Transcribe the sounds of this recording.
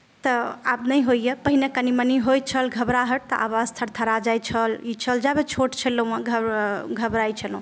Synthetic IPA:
t̪əa̰bnəjɦojjepəɦinekəniməniɦojt͡ʃʰəlɡʱəbɾaɦəɾ̚t̪əʔa̰βazt̪ʰəɾt̪ʰəɾad͡ʒajt͡ʃʰəlit͡ʃʰəld͡ʒabet͡ʃʰoʈt͡ʃʰələũãɡʱɡʱəbɾajt͡ʃʰəlũ

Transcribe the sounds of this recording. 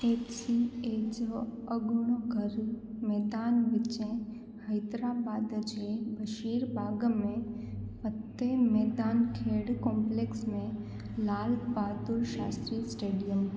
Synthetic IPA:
esied͡ʒoəɡuɳoɡʱəɾmɛd̪anʋɪt͡ʃẽ | həjt̪ɾabad̪t͡ʃʰebəʃiɾbaɡmẽpət̪ːemɛd̪ankʰeɽkɔmpleksmẽ | lalkbad̪uɾʃast̪ɾisʈeɖijəm

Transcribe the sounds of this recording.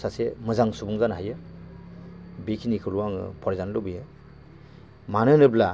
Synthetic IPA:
sasemɯzaŋsubuŋzanɦajɯ | bekʰinikʰɯluwaŋɯ̰pʰɔɾzanlobijɯ | manɯnɯbla

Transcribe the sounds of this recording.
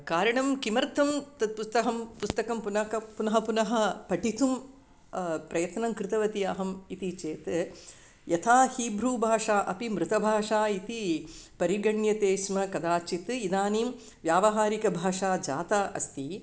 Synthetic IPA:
kaːɾɐɳɐmkimɐɾt̪ʰɐmt̪ɐd̪̚pust̪ɐɦɐmpust̪ɐkɐmpunɐkɐpunɐɦɐpunɐɦɐpɐʈit̪um | pɾɐjɐt̪nɐmkɾɪt̪ɐʋɐt̪ijaːɦɐmit̪it͡ʃeːt̪ | jɐt̪ʰaːhiːbɾuːbʱaːʂaːʔɐpimɾut̪ɐbʱaːʂaːit̪ipɐɾiɡɐɳjɐt̪eːsmɐkɐd̪aːt͡ʃit̪ɨid̪aːniːm | ʋjaːʋɐɦaːɾikɐbʱaːʂaːd͡ʒa̰ːt̪ɐːʔɐ̰st̪i

